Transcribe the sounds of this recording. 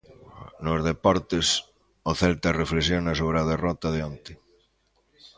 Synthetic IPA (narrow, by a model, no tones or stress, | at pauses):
nozð̞epɔɾt̪ɪs | oθɛlt̪areflesjonasoβ̞ɾeaðerɔt̪aðeont̪ɪ